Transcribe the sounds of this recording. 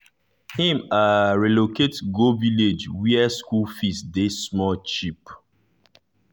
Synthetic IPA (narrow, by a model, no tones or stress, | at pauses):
hĩmaɹɛloketɡoviled͡ʒwiɛskulfisdesmɔt͡ʃip